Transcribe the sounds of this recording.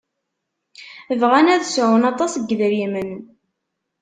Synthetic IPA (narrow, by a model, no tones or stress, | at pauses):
əvʁænæðsʕʊnɑt̪ˤɑsəɡðɾimən